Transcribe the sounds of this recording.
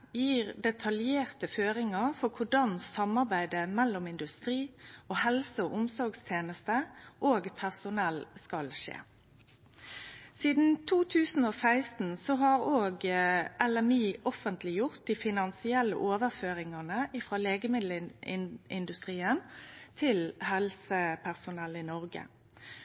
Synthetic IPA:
jiːʁd̪ɛt̪ʰɑljeːʁt̪əføːʁɪŋɑʁfɔʁkʰʊɖɑnsɑmɑʁbæɪd̪əmɛlːɔmɪnd̪ʉst̪ʁiːoːhɛlsəoːʔʊmsɔɾɡst̪ʰjeːnəst̪əʔoːɡpʰæʁsʊnɛlskɑlʃḛː | siːd̪n̩t̪ʰuːt̪ʰʉːsn̩oːsæɪst̪n̩sɔɦɑʁoːɡʔɛlɛmiːɔfənt̪ʰlɪjʊʁt̪̚d̪iːfɪnɑnsɪɛlːə̰ʔoːʋəʁføːʁɪŋɑnəʔɪfʁɑːleːɡəmɪd̪l̩ɪɪ̰nd̪ʉst̪ʁiːənt̪ʰɪlhɛlsəpʰæʁsʊnɛlːɪnɔʁɡə̰

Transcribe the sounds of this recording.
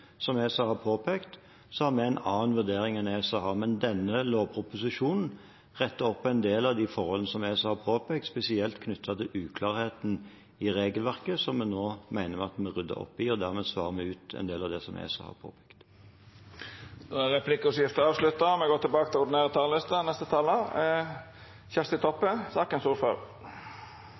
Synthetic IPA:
sɔmesɔhɑpʰoːpʰɛkt̪ | sɔhɑɾmɛæɪnɑːnʋʉʁd̪eːɾɪŋɛneːsɑhɑʁmɛnd̪ɛnːəloːʋpʰɾʊpʊsɪʃuːnn̩ | ʁɛt̪ːəɔpːɛnd̪eːlɑʋd̪ɪfɔɾhɔlənəsɔmeːsɑhɑpʰoːpɛːk̚t̪spɛsɪɛlt̪kʰnʏt̪ʰːɑt̪ʰɪlʉːkʰlɑːɾheːt̪n̩ | ɪɾeːɡəlʋæʁkəsɔmɛnoːmæɪnəmɛɑt̪mɛʁʏd̪ːə̰ɾɔ̰pːɪɔd̪æʁmɛːsʋɑ̰ːʁəmɛʉːt̪ɛ̰nd̪eːlɑʋd̪ɛsɔmɛ̰sɔ̰hɑ̰pʰo̰ːpʰɛ̥kt̪ | d̪oæʁɛpʰlɪkːʊsjɪft̪əɑːʋslʉt̪ːɑmɛɡoːt̪ɪlbɑːkət̪ʰɪlʊɖ̪neːɾət̪ʰɑːllɪst̪ɑnɛst̪ət̪ʰɑːlːə | çɛst̪ɪt̪ʰɔpːəsɑːkənsuːɾfɑl

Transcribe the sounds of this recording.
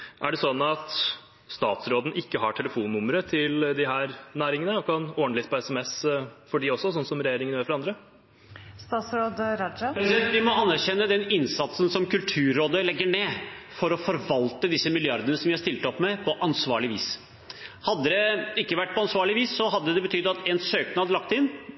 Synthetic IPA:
ʔæɖɛsɔnːɑt̪ | st̪ɑːt̪sɾoːd̪n̩ʔɪkːəɦɑʈʰɛləfuːnːʊməɾət̪ʰɪld̪ɪɦæːɾnæːɾɪŋənəɔkʰɑnoːəɳlɪt̪ːpɔɛsɛmɛsfɔɖiɔsːɔsɔnːsɔmɾɛjeːɾɪŋənjøːɾfɔɾɑnd̪ɾə | st̪ɑːt̪sɾoːd̪ɾɑd͡ʒɑpɾɛsɛnt̪ʋɪmɔɑnːæɾçɛnːəd̪ɛnɪnsɑt̪sənsɔmkʉlt̪ʰʉːɾːoːd̪əlɛɡːəɳeːfɔɾɔfɔɾʋɑlt̪əd̪ɪsːəmɪljɑɾd̪ənəsɔmjæhɑst̪ɪlt̪əɔpːmɛpʰɔʔɑnsʋɑːɭɪʋḭːs | hɑd̪ːəd̪ɛɪkːəʋæʈ̚ːpʰɔɑnsʋɑːɭɪʋiːsːɔɦɑd̪ːəd̪ɛbət̪ʰʏd̪ːɑt̪ɛnsøːknɑd̪lɑkt̪ɪnː

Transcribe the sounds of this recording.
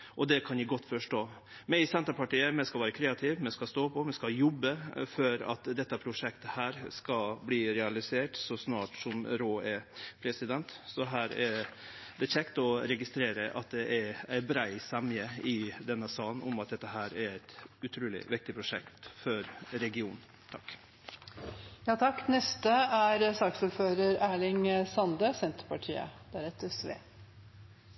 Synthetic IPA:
ʔɔd̪ɛkʰɑnjɪɡɔt̪ːfɔʂʈoː | mɛsɛnt̪əɾpɑʈiːəmɛskɑʋæːɾəkʰɾeːɑt̪ʰɪʋmɛskɑst̪oːpʰɔmɛskɑjɔbːəfœɾɑ̰t̪d̪ɛt̪ːəpʰɾʊʂɛkt̪əhæːɾskɑbliːɾɛɑlɪseːʈsɔsnɑːʈsɔmɾoːɛpʰɾɛsɪd̪ɛnt̪sɔɦæːɾɛ | d̪ɛçɛkt̪əɔɾɛɡɪst̪ɾeːɾəʔɑ̰t̪̚d̪ɛʔɛɾæɪbɾæɪsɑmɪəɪd̪ɛnːəsɑːnʊmɑt̪̚d̪ɛt̪ːəɦæːɾæɾæɪt̪ʉt̪ʰɾuːlɪ̰ʋɪk̚t̪ɪpʰɾʊʂɛkt̪fɔɾɾɛɡɪuːn̩ | t̪ʰɑkː | jɑːt̪ʰɑkːnɛst̪əæɾsɑːksuːɾføːɾəɾæːɭɪŋsɑnd̪əsɛnt̪əɾpɑʈʰḭːə̰d̪ɛæːɾɛt̪ɛsʋḛː

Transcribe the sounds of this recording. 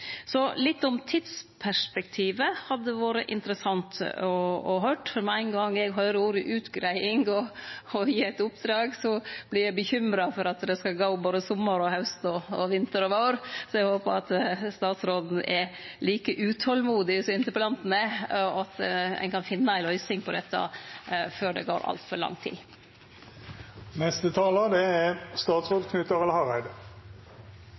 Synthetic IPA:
sɔlɪt̪ːʊmt̪ʰɪd̪spʰæʂpɛkt̪ʰiːʋəhɑd̪ːəʋoːɾə̰ʔɪ̰nt̪ɾəsɑnt̪ɔɔɦøːʈfɔɾmæɪnɡɑŋːɛɡɦœʏɾəuːɾəʔʉːt̪ɡɾæɪɪŋɡɔjiːæɪt̪ʊpd̪ɾɑːɡsɔb̥lɪɾjæɪbəçʏmɾɑfɔɾɑt̪d̪ɛskɑlɡoːboːd̪əsɔmːəɾɔhɑʉst̪ɔɔʋɪnt̪əɾɔʋɑʊɾsɔɛɡhoːpəɑt̪st̪ɑːt̪sɾoːd̪n̩ɛliːkəʔʉːt̪ʰɔlmuːd̪ɪɪsɔɪnt̪əpɔlɑnt̪n̩ɛɑt̪ɛ̰ɪnkʰɑnfɪnːəæɪlœʏsɪŋpʰɔd̪ɛt̪ːɑ̰føːɖɛ̰ɡo̰ːɾʔɑ̰lt̪fɔɾɭɑ̰ŋt̪ʰḭː | nɛst̪ət̪ʰɑːləd̪ɛæst̪ɑːt̪sʁoːd̪kʰnʉt̪əʁɛləhɑʁæɪd̪ə

